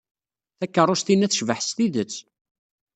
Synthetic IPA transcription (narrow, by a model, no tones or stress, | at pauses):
θækːərˤːʊst̪inːæθʃvəħst̪iðət͡sː